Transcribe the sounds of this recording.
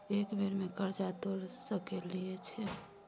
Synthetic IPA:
eːkbeɾmẽkəɾd͡ʒat̪oɾsəkeliet͡ʃʰe

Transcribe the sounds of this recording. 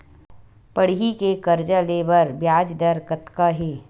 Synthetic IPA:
pəɽɦikekɐɾd͡ʒaleːbəɾbjaːd͡ʒd̪əɾkət̪kaɦeː

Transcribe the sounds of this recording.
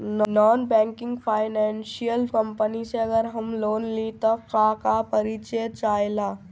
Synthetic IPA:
nnɔːnbɛ̃ːŋkɪ̃ŋɡfʰaːɪnɛ̃ːnʃijəlkə̃mpəniseɐɡəɾɦɐmloːnlit̪okakapɐɾit͡ʃet͡ʃaːjlaː

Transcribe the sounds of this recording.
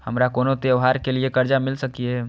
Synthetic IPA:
həmɾakonot̪eoɦaɾkeliekəɾd͡ʒamilsəkije

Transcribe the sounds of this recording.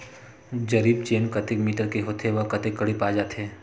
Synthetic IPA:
d͡ʒɐɾiːb̚t͡ʃeːnkɐt̪ɪkmiːʈəɾkeɦot̪ʰeʋɐkɐt̪ekːɐɽipaːd͡ʒaːt̪ʰɦeː

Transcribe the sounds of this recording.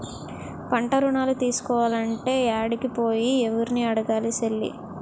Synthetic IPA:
pɐɳʈɐɾuɳaːlut̪iːsu̥kɔːʋaːlɐɳʈe̞ːaːɽikipo̞ːjieʋuɾiniɐɽɐɡaːliselːḭ

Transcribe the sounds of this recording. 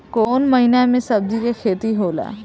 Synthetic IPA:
koːnməɦiːnɛmẽsəb̚d̪ikekʰeːt̪iɦoːlɛ̰ː

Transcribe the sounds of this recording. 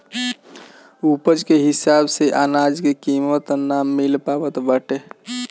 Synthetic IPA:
upəd͡ʒkeɦisabseʔanad͡ʒkekimət̪namːilpabət̪bəʈe

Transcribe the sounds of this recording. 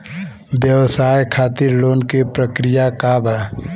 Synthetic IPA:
bjəwsaːjkʰaːt̪iɾloːnkepɾəkɾijakabʱɛ

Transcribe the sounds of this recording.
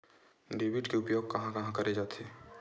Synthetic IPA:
ɖeːʋɪʈkeʊpjoːɡ̚kɐɦãkɐɦãkɐɾed͡ʒaːt̪eː

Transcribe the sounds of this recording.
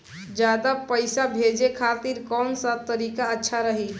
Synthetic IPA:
d͡ʒad̪apəjsabʱed͡ʒekʰat̪iɾkɔnsət̪əɾikaətːʃʰaɾəɦi

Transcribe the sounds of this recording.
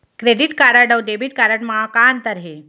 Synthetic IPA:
kɾeɖiʈkaɾaɖəwɖebiʈ̚kaɾaʈmaakant̪əɾɦe

